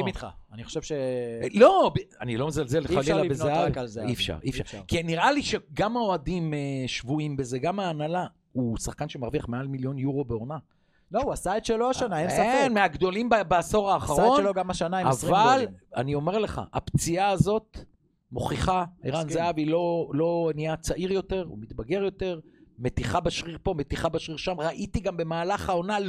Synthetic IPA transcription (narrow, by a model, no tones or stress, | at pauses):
imit̪χa̰aniχo̥ʃevʃelo̞banilo̞mezalzelːealilabezeavzifʃa̰ʁifa̰ʁkiniʁaliʃeɡamaoad̪imeʃvuimbeze̞ɡamaːnala | usaχkanʃemaʁviaχmealmiljo̞njuʁo̞beona | louasaed̪ʃeloaʃanaemsafenmeaɡd̪o̞limbbeaso̞ʁaːχaʁo̞nloɡamaʃanaeavala̰nio̞me̞ʁle̞χa̰ʔa̰pt͡siaːzo̞t̪ | mo̞̰χiχaiʁanzaavilolo̞niat͡saʔiʁjo̞t̪e̞ʁṵmit̪baɡe̞ʁjo̞t̪e̞ʁme̞t̪iχabaʃʁiʁpo̞me̞t̪iχabaʃʁiʁʃamʁaʔit̪iɡambe̞maːlaχao̞nal